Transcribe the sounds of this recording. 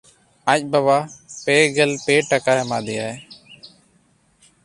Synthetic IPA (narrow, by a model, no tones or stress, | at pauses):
ac̚bəβaːpeːɡəlpeːʈəkaːma̰ːd̪ɪjaːe